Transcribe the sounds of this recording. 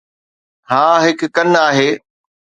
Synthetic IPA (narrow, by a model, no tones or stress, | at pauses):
hãːɦɪkːɐnaːɦeː